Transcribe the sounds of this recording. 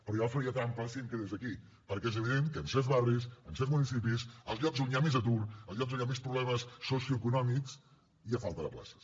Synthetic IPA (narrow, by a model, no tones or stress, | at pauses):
pəɾɔjaβafəɾiətamplasiəŋkəðezðəki | pəɾkɛɛzəβiðeŋkəːnsɛzβarrisənsɛzmunis̬ipisəlˠzʎɔɡzuɲamezət̪urəlˠzʎɔkzuɲamespɾuβlɛməsːosjuəkunɔmiks | iəfalˠt̪əðə̰pla̰sə̥s